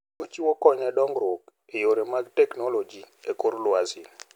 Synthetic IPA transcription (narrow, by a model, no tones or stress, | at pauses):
ot͡ʃiwokɔɲɛdɔŋɡɾok | ejoɾemaɡtɛknolod͡ʒiekoɾlwazin